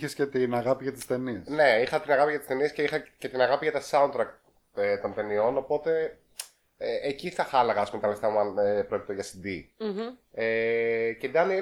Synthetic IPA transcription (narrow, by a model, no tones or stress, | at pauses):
çescet̪inɐɣɐpiʝɐt̪ist̪e̞niesne̞ixɐt̪inɐɣɐpiʝɐt̪i̥st̪enie̞sceixɐce̞t̪inɐɣɐpiʝɐt̪ɐsɐunt̪ɾɐk̚t̪ | et̪o̞nt̪e̞nio̞no̞po̞t̪e̞ | ʔːciθɐxɐlɐɣɐspumet̪ɐleft̪eɐmɐnepɾoecʲit̪oʝɐsid̪i | eced̪ɐni